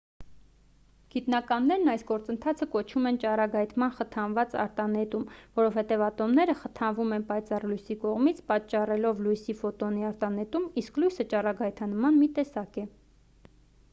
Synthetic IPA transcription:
ɡ̥it̪nɑkɑnːɛɾnɑjsɡɔɾt͡sənt̪ʰɑt͡sʰəkɔt͡ʃʰumɛnt͡ʃɑrɑɡɑjt̪mɑnχət̪ʰɑnvɑt͡sɑ̰ɾt̪ɑnɛt̪umvɔɾɔvhɛt̪ɛvɑt̪ɔmnɛɾəχət̪ʰɑnvumɛnpɑjt͡sɑrlujsikɔʁmit͡sʰpɑtt͡ʃːɑrɛlɔvlujsifɔt̪ɔniɑɾt̪ɑnɛt̪umisklujsət͡ʃɑrɑɡɑjt̪ʰɑnmɑnmit̪ɛsɑkɛ

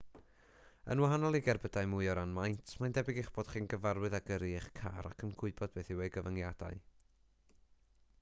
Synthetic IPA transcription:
ə̰nwaɦanɔlˠɪɡɛrbədajmʊjɔɾanmajntʰmajndɛbɪɡɪχb̥oːd̥χiːnɡəvarwɨðaɡəɾiχkʰa̰ɾa̰kʰənɡʊɨbɔd̚beːθiwejɡəvəŋjad̥a̰ɨ

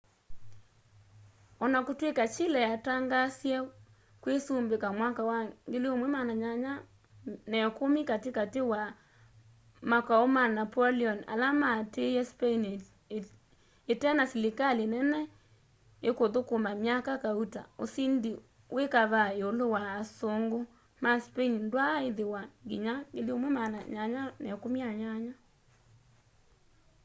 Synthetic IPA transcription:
ɔnakotwekat͡ʃilɛjataŋɡasjɛ | kwesombekamwakawaŋɡeleomwɛmanaɲaɲa | nɛkomikatekatewa | makaomanapɔliɔna̰lamatejɛspein | etɛnasilekalenɛnɛ | ekoðokomamjakakauta̰o̰sindi | wʔekaβaeolowaːsoŋɡo | maspeinndwaeðewaŋɡiɲakeliomwɛmanaɲaɲanɛkomiaɲaɲa

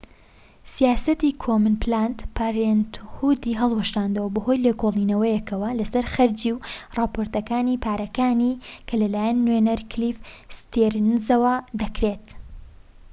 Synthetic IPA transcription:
sijaːsɐt̪ikʰomɨnplant̪pʰaɾent̪hud̪iɦɐlˠwɐʃaːnd̪ɐwɐbɐho̞jleːkolˠiːnɐwɐjɛkʰɐwɐlɐsɐɾxɐɾd͡ʒiwrɑːpʰoɾt̪ɐkaːniːpʰaːɾɐkaːnikʰɐlɐlaːjɛnːwenɐɾkʰlifst̪eɾnzɐwɐd̪ɐkɾet̪

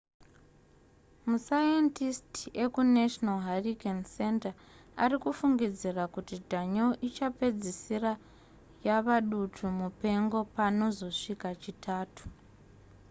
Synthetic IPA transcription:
musajentistiekuneʃnalɦarikense̞nta | arikufuŋɡid͡zirakutidʱaɲoʔit͡ʃape̞d͡zisira | jaʋaɗutʰumupe̞ŋɡo̞pano̞zo̞ʂikat͡ʃitʰaːtu̥

